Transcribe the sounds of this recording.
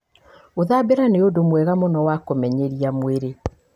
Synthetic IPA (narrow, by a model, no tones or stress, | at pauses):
oðabeɾaneodomwɛɣamonɔwakomɛɲeɾiamweɾe